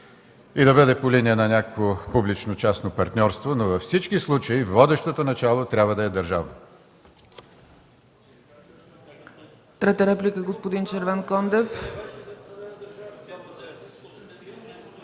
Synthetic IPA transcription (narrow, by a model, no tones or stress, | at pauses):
id̪ɐbəd̪ɛpoliniɛnɐnʲakəkopublit͡ʃnot͡ʃasnopɐɾt̪nʲɔɾst̪vonovɐfsit͡ʃkislˠut͡ʃəivvɔd̪ɛʃt̪ot̪onɐt͡ʃalˠot̪ɾʲabvəd̪ɐɛd̪ɐɾʒavno | t̪ɾɛt̪əɾɛplʲikəɡospod̪int͡ʃɛɾvankɔnd̪ɛf